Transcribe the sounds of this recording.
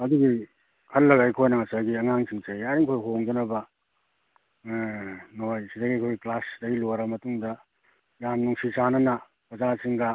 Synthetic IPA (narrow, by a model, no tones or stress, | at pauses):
ɐduɡi | kʰɐlːɐɡajkʰojnɐŋɐsaɡiɐŋaŋsʰiŋt͡ʃɐjaɾiŋkʰojɦoŋd͡ʒɐnɐbɐ | nojsidɐɡiɐkʰojɡiklasdɐɡiloɾɐmɐtuŋdɐ | jamnuŋsisanɐnɐ | pɾɐzasiŋɡa